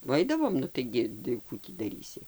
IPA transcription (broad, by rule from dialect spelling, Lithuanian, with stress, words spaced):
ʋɐ ˈɐɪdɐʋoːm nʊ ˈtɐɪɡʲɪ tɐɪ ˈkuː tʲiː dɐˈrʲiːsʲɪ